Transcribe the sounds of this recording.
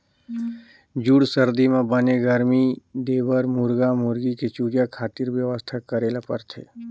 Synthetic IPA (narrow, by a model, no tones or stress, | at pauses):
d͡ʒuɽsəɾd̪imẽbəneɡəɾmid̪eːbəɾmuɾɡamuɾɡiket͡ʃuːd͡ʒakʰaːt̪iɾʋjəʋəst̪ʰakəɾeːlapə̰ɾt̪ʰḛː